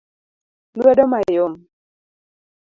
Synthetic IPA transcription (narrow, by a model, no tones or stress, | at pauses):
lwɛdɔmajʊm